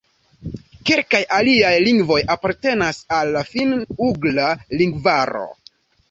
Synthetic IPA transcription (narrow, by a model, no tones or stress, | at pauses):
ke̞lkajʔaliajliŋɡvo̞japaɾte̞nasalːafinuɡlaliŋɡvaɾo̞̰